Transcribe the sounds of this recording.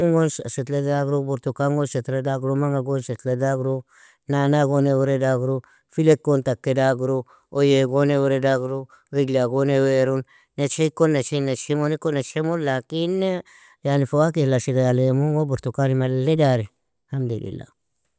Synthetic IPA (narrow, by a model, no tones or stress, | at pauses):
uŋɡonsa̰set̪ledaɡɾobuɾt̪ukaŋɡonset̪ɾedaɡɾomaŋaɡonset̪ledaɡɾo | nanaɡoneweɾedaɡɾo | filekːont̪akːedaɡɾo | ojeɡoneweɾedaɡɾo | iɡlaɡoneweɾun | net͡ʃeikonːet͡ʃeinat͡ʃemonikonat͡ʃemolakin | janifowakilasiɡajalemuŋɡobuɾt̪ukanimaledaɾe | hamd̪olḭlːa̰